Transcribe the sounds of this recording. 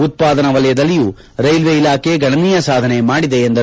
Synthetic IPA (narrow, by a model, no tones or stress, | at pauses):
ut̪̚paːd̪ɐnɐʋɐlɐjɐd̪ɐlːiju | ɾɐjlʋeilaːkʰe̞ɡʱɐɳɐniːjɐsaːd̪ʱɐne̞maːɽid̪e̞ːnd̪ɐ